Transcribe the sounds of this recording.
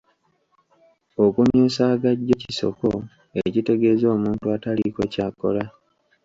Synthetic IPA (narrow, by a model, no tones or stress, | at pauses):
o̞kumjuːsaːɡaɟːo̞ciso̞̰ko̞ | ecite̞ɡe̞zo̞ːmuːntuataliko̞caːko̞la